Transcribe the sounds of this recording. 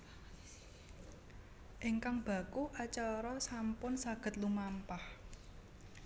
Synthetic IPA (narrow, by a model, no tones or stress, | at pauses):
ʔɪŋkaŋb̥a̤kuʔat͡ʃaɾɔsampʊnsaɡ̥ə̤t̪̚lumampah